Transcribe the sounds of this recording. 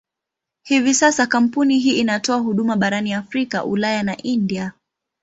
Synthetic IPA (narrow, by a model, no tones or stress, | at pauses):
hivisasakam̩puniɦiːʔːnatɔahuɗumaɓaɾaniafɾika̰ʔulajanaʔindia